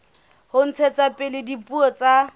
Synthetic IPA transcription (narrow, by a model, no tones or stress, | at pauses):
hʊn̩t͡sʰɛt͡sapʼɪlɪdipʼuɔt͡sʼa